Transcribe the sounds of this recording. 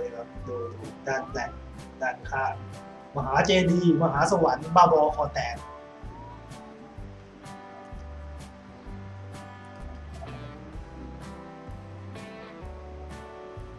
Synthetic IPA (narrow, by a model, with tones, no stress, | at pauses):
kʰa˦˥p̚doː˧˩jdaː˧˩t̪̚lɛ˨˧˩k̚ | daː˧˩t̪̚kʰaː˧˥˩ | maː˧˩ɦaː˩˦t͡ɕeː˧diː˧˩maː˧ɦaː˨˩˦sa˧wa˩˦nbaː˧˥˩bɔː˧kʰɔː˧t̪ɛː˨˩k̚